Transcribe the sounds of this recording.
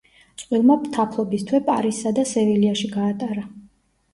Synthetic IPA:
t̪sʼqʼwilˠmapt̪ʰapʰlˠɔbist̪ʰwɛpʼa̰ɾisːad̪asɛviliaʃiɡaːt̪ʼaɾa

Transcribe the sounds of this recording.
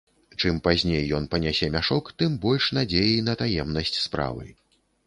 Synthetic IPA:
t͡ʂɨmpazʲnʲejːɔn̪pɐnʲɛsʲɛmʲaʂɔkt̪ɨmbɔlʲʂnad͡zʲejiinɐt̪ajɛmnɐsʲt͡sʲspɾa̰vɨ̰

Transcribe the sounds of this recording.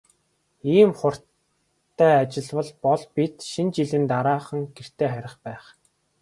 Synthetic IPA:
iːmχʊr̥ | t̪ʰːæːat͡ɕɪ̆ɮwə̆ɮpɔɮpit̪ʃint͡ɕiɮɘ̆nt̪aɾaːχə̆ŋɡ̥er̥t̪ʰeːχæɾʲɪ̆χpæːχ

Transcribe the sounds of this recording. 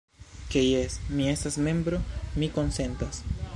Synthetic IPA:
kejesmie̞stasme̞mbɾo̞miko̞nse̞ntas

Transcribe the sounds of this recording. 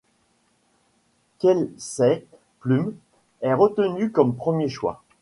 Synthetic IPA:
kʲɛlsɛ | plym | ɛʁət̪ənykɔmpχəmjeʃwa̰

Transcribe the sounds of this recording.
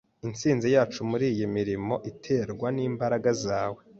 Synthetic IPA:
int͡siːnzijaːt͡ʃumuɾiːjimiɾimo̞ʔitʰe̞ːɾɡwaniːmbaɾaɡazaːwe̞

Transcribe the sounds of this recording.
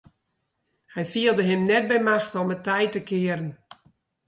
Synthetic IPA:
hɛjfiəlˠdəɦɪmnɛt̚bɛjmaxtɔmətɛjtəkɪəɾən

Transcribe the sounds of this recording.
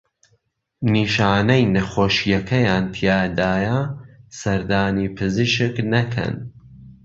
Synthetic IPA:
niːʃaːnɐjnɐxoːʃijɐkʰɐjaːnt̪ʰijaːd̪aːjɐsɐɾd̪aːniːpʰɨzɨʃɨknɐkʰɐ̰n

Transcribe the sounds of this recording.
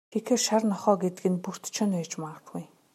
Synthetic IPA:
xixeːrʃarnɔχɔːɡet̪ɘ̆ɡɘ̆npur̥t̪t͡ɕʰɔ̆nɔːt͡ɕmaʁə̆t̪ɡuj

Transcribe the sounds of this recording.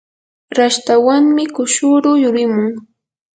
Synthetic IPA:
ɾaʃt̪awaŋmɪkʊʃʊɾʊjʊɾɪmʊŋ

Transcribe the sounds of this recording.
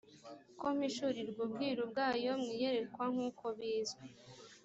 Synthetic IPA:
kom̥iʃuɾiɾɡubɡiːɾub̚ɡaːjo̞mŋiːjeɾekwaŋ̥uːko̞βiːza

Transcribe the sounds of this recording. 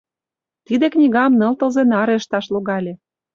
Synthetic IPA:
t̪id̪eknʲiɣɑmnɤ̆lt̪ə̆lzenɑɾeə̆ʃt̪ɑʃloɣɑlʲe

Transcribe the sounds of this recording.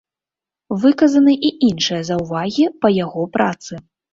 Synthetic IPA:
vɨkɐzɐnɨʔiʔinʂɨjɐzɐwvaɣʲipɐjaɣɔpɾat̪sɨ

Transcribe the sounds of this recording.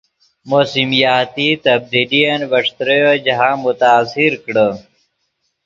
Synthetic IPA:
moːsimjaːt̪it̪əb̚d̪iliɐnʋɐʂt̪ɾəjod͡ʑɐɦãmut̪aːsiɾkɽə

